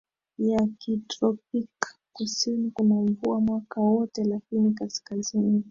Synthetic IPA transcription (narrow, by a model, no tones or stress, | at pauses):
jakitɾɔpikː | usinikunaɱvuamwakawɔtɛlakinikaskazini